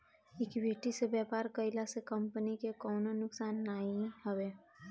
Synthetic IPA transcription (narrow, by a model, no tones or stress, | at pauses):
ɪkbʱeːʈisebjɛːpaːɾkəɪlasekɐmpənikekɔːnonʊksaːnːaːiɦɐʋeː